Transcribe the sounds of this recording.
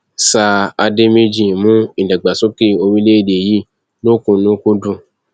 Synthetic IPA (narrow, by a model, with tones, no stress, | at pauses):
sa˧a˧de˦mĩ˦d͡ʒĩ˦˨mũ˦ĩ˨da˨ɡ͡ba˨so˦ke˦o˧ɾi˦le˦e˦˨de˨ji˨˦ | lo˦˨kũ˧˨nũ˨˦ko˦dũ˦˨